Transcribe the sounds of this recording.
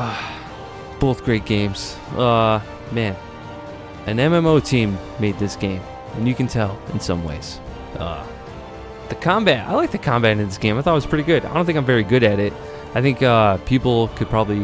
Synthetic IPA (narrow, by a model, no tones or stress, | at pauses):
ʌ | b̥oʊθɡ̥ɹeɪt̚ɡ̥ẽɪ̃mz̥ | ʌ | mæ̃n | ɨ̃nɛ̃mɛ̃moʊtʰĩmːeɪd̪̚ðɪsɡ̥ẽɪ̃m | ɨ̃njɨkɨ̃n̩tʰɛlˠɨ̃nsʌ̃mwḛɪz̥ | ʔʌ̰ | ðɨkʰɑ̃mbæta̰ɪlaɪk̚ðɨkʰɑ̃mbæɾɨ̃nðɪsɡ̥ẽɪ̃maɪθɔɾt̚wʌz̥pʰɹ̥ɪɾiɡʊda̰ɪdõnθɪ̃ŋkaɪ̃ɱvɛɹiɡʊɾɨɾɪt̚ | aɪθɪ̃ŋkʌpʰipl̩ˠkʰɨd̚pʰɹ̥ɑbəbli